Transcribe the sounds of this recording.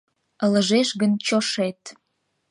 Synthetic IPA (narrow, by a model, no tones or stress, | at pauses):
ələ̆ʒeʃɣənt͡ɕoʃet̪̚